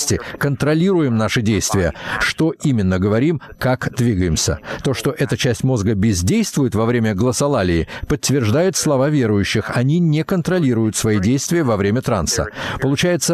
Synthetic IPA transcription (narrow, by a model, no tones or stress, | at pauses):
sʲtʲɪkənt̪ɾɐlʲiɾʊjɪmnaʂɨdʲejst̪vʲɪjə̰ʂt̪o̞ʔimʲɪnːəɡəvɐɾʲimkakd̪vʲiɡəjɪmsʲə̰t̪o̞ʂt̪o̞ʔɛt̪ət͡ɕæsʲtʲmo̞zɡəbʲɪzʲdʲejst̪vʊjɪt̪vɐvɾʲemʲəɡlˠəsɐlˠalʲɪːpət̪ʲːvʲɪrʐd̪ajʊt̪slˠɐvavʲe̞ɾʊjʉɕːɪxɐnʲinʲɪkənt̪ɾɐlʲiɾʊjʊt̪svɐidʲejst̪vʲɪjəvɐvɾʲemʲət̪ɾansə̰pəlˠʊt͡ɕæjɪt̪sə